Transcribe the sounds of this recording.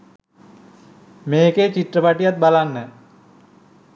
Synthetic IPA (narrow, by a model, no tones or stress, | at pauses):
meːket͡ɕiʈ̪rəpaʈijat̪̚balanːə